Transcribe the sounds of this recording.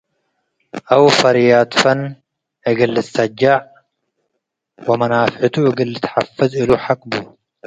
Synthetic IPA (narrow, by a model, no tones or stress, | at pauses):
ʔawfɐɾjat̪fɐn | ʔɨɡɨlːɨt̪sɐd͡ʒːaʕ | wɐmɐnafħɨt̪ʰuʔɨɡɨlːɨt̪ħafɨziluħakʼbu